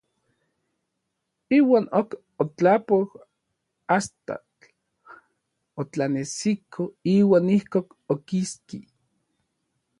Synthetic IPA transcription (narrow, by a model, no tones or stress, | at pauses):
iːwaːnok | ot͡ɬapoh | ast̪a̰t͡ɬ | ot͡ɬanesikʰoiːwaːnihkoːk | okiski